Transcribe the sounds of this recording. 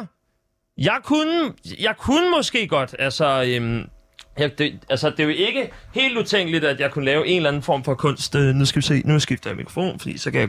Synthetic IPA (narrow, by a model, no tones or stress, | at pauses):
jɑ̈ɪkʰunəjɑ̈ɪkʰunəmɒ̽sɡ̥e̝̰ːɡ̥ɒ̽d̥ælsɒøm | jɑd̥e̝ælsɐd̥e̝e̝ɡ̥əhe̝̰ːld̥ut͡sʰeŋ̰ɡ̥lid̥æd̥jɑ̈ɪkʰunəlɛːʊʔe̝nlæn̩fɒ̰ːmfɒ̽kʰɔ̽n̰sd̥nusɡ̥æʋise̝̰ːnusɡ̥ifd̥ɐjɑ̈mikʰʁo̥fo̝̰ːnfɒd̥ḭːsɒ̽kʰæjɑ̈